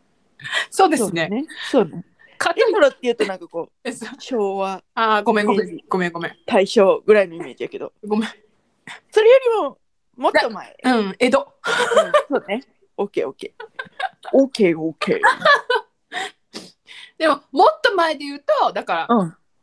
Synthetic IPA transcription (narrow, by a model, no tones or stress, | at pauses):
so̞ːd̪e̞sosɨnenesoːne | kʰateioɾot̪ːe̞jɯ̟ːt̪o̞nãŋkako̞ː | sɕoːβaaɡo̞mẽŋɡoẽɡ̥o̞mẽŋɡo̞mẽt̪aiɕoːɡɯ̟ɾaino̞ime̞ːd͡ʑij̪ake̞d̪o̰ɡomẽ | so̞ɾe̞jo̞ɾʲimo̞ | mot̪ːomaḛɯ̟̃ɴed̪o | soːne | oːkeːokeː | oːkeːoːkḛː | d̪̥e̞mo̞mot̪ːo̞mae̞d̪e̞jɯ̟ːt̪o̞d̪akaɾaɯ̃